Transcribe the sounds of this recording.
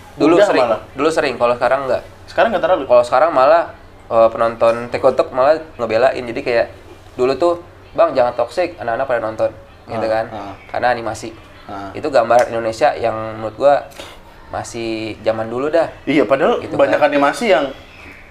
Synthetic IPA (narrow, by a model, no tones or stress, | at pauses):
duluasəɾɪladulusəɾɪŋkalosəkaɾaŋːɡaʔ | sə̥kaɾaŋɡat̪əɾabikalosə̥kaɾaŋmala | əpənɔnt̪ɔnt̪ekot̪ɔk̚malahŋəbelaʔɪ̰nd͡ʒadikajaʔ | dulut̪ʊ | baŋd͡ʒaŋant̪ːɔksɪk̚anakanak̚padanɔnt̪ɔn | ɡit̪ukanka̰nanimasɪ | ḭt̪uɡambarḭndonesiajaŋəmuʊt̪̚ɡua | mʔa̰sɪhd͡ʒamanduludahijapadaɦalɡit̪ubaɲakanimasijaŋ